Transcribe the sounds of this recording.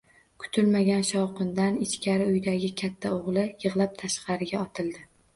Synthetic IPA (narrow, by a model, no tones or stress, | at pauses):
kʰʊ̥t̪ʰʊlmaɡʲanʃɒwqɨnd̪anɪt͡ʃkʲʰaɾɪʊjd̪aɡʲɪkʲʰat̪ʰːaoʁlˠɪjɨʁlˠap̚t̪ʰaʃqʰɑɾɪɡʲaɒt̪ʰɪlˠd̪ɪ